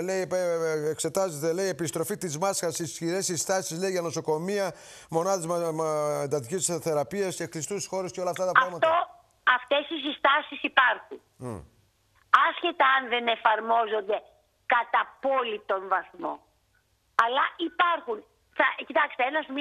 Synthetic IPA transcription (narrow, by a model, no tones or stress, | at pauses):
leiekse̞t̪ɐzet̪e̞le̞ie̞pist̪ɾo̞fit̪izmɐsxɐsisçiɾesist̪ɐsizleiʝɐno̞so̞ko̞miɐ | mo̞nɐðezmend̪ɐt̪icisθe̞ɾɐpiɐsceklist̪usisxo̞ɾesceo̞lɐft̪ɐt̪ɐpɐɐɣmɐt̪o | ɐft̪e̞sis̬ist̪ɐsisipɐɾxun | ɐsçe̞t̪ɐɐnðene̞fɐɾmo̞zo̞nd̪e̞ | kɐt̪ɐpo̞lit̪o̞nvɐθmo̞̰ | ɐlɐʔipɐɾxun | θɐcit̪ɐkst̪eenɐsm